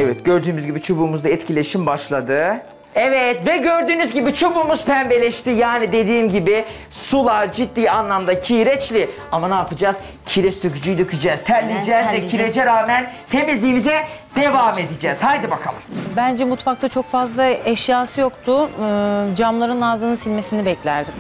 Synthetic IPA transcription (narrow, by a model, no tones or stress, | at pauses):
ɛvɛt̪ɟøɾd̪yːmyzɟibit͡ʃʰobuːmuzaɛt̪cʰilʲe̞ʃimbaʃlˠad̪ɯ | ɛvɛt̪vɛɟøɾd̪yːnyzɟibit͡ʃʰobuːmuz̥pʰæmbe̞lʲɛʃt̪ijaːnid̪e̞d̪iːmɟibɪ | sulˠaɾd͡ʒid̪̚ːiːanlˠamd̪acʰiɾɛt͡ʃlʲɪ | amanaːpʰɯd͡ʒaːz̥ | cʰiɾɛst̪øcyd͡ʒyjd̪ycʰyd͡ʒɛːz̥t̪ʰæɾlʲid͡ʒɛːzɛcʰiɾed͡ʒɛɾaːmænt̪ʰe̞mizlʲiːmizɛd̪̥evaːme̞d̪id͡ʒɛːz̥hajd̪ɯbakʰa̰lˠɯ̰mbænd͡ʒɛmut̪fak̚t̪ʰat͡ʃʰo̞kfazlˠaɛʃjaːsɯjo̞kt̪ʰʊ | d͡ʒamlˠaɾɯnaːzanɯnsilʲmesinibɛclʲæɾd̪im